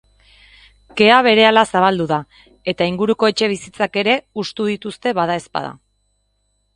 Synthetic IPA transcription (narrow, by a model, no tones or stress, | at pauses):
ke̞aβ̞e̞ɾe̞alasaβ̞ald̪uða | e̞t̪aiŋɡuɾuko̞e̞t͡ʃe̞β̞isit͡sake̞ɾe̞ust̪uð̞it̪ust̪e̞βaðae̞spa̰ð̞a̰